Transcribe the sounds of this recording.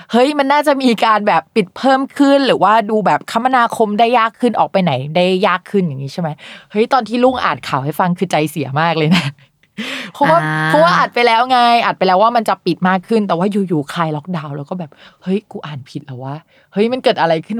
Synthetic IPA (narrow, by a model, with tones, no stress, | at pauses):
hɤ˦˥jma˧nːaː˥˩t͡ɕa˨˩ʔmiː˧kaː˧nbɛː˨˩pːi˨˩t̪̚pʰɤː˥˩mkʰɯ˥˩nɾɯː˩˦waː˥˩duː˧bɛː˨˩p̚kʰa˦˥mːa˧naː˧kʰo˧mdaː˥˩jːaː˥˩kʰːɯ˥˩nʔɔː˨˩k̚pa˧jna˩˦jda˥˩jːaː˥˩kʰːɯ˥˩nja˨˩ŋːiː˦˥t͡ɕʰa˥˩ma˦˥jhɤ˦˥jt̪ɔː˧nt̪ʰiː˥˩lu˥˩ŋʔa̰ː˨˩n̚kʰaː˨˩wha˥˩jfa˧ŋkʰɯː˧t͡ɕa˧jsi˨˩˦ɐmaː˥˩k̚lɤː˧jna˦˥ | pʰɔ˦˥waː˥˩ɔ˦˥waː˥˩ʔa˨˩t̪̚pa˧jlɛː˦˥wŋa˧jʔa˨˩t̪̚pa˧jlɛː˦˥waː˥˩ma˧nt͡ɕa˨˩pi˨˩t̪̚maː˥˩kʰːɯ˥˩nt̪ɛː˨˩waː˥˩juː˨˩juː˨˩kʰaː˧jlɔ˦˥k̚daː˧wlɛː˦˥wkɔː˥˩bɛː˨˩p̚hɤ˦˥jkuː˧ʔaː˨˩npʰi˨˩t̪̚lɛ˨˩waː˥˩ | hɤ˦˥jma˧nkɤː˨˩t̪ʔa˧ɾa˧jkʰɯ˥˩n